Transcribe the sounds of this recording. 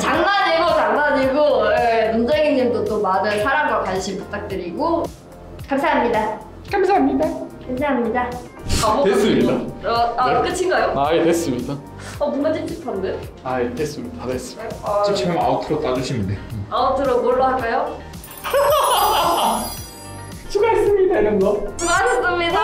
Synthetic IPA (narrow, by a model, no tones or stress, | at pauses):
t͡ɕaŋnaɲiɭɡot͡ɕaŋnaɲiɭɡojemund͡ʑeŋiɲimdot͈omanɯɭsʰaɾamɡakaɭɕ͈ʰimput͈ʰak̚t͈ɯɾiɡo | kamsʰaɦamɲida | kamsamɲidakamsʰaɦamɲida | ʌoes͈ɯmɲiaʌak͈ɯt͡ɕʰiŋɡajoajides͈ɯmɲida | ʌbumad͡ʑit͡ɕʰi̥tʰʌndɯ | ajides͈ɯmɲidades͈ɯʌt͡ɕit͡ɕʰiɡɯma̰otʰɯɾot͈ad͡ʑuɕʰimindeaotʰɯɾomʌɭːohak͈ajo | t͡ɕʰinas͈ɯmidanɯnɡʌmad͡ʑɯs͈ɯmɲida